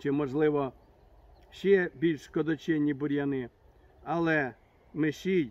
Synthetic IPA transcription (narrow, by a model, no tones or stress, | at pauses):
t͡ʃɪmɔʒlˠɪʋɔ | ʃɛbʲilʲʃskɔd̪ɔt͡ʃɛnʲːibʊɾʲjɐnɪ | ɐlˠɛ | mɪʃi